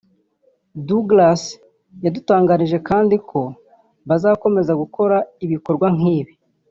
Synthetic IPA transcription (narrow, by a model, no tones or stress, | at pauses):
duɡlas | jadutaːŋɡaɾiʒe̞kaːndikʰo̞ | βazaːko̞me̞zaɡuko̞ɾaiβiko̞ɾɡwaŋ̥iːβi